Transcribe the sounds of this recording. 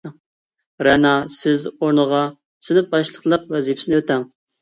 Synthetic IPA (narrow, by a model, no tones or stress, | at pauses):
ɾɛnɑsɪzoɾnəʁɑ | sɪnɪp̚bɑʃlˠə̥χlˠəqwɛzipʰɪsɪnɪøt̪ʰɛŋ